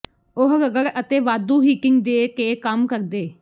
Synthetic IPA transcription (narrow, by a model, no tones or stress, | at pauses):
ʊɦɡəɡəɾət̪eːʋaːd̪ũːɦiːkɪŋɡd̪eːkeːkəmkəɾd̪eː